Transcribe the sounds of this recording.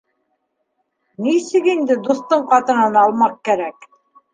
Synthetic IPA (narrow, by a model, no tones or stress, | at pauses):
nisɘkind̪ɘd̪ust̪ɤɴqɑt̪ɤ̆nɑnɑlˠmɑq̚kæɾæk